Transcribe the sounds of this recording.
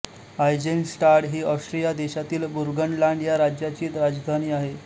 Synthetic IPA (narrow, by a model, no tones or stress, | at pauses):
ajd͡ʑensʈaɾʈɦiːəsʈɾijad̪eɕat̪iːlbuɾɡəɳlaɳɖjaɾad͡ʑjat͡ɕiːt̪ɾad͡zd̪ʱaniːaɦe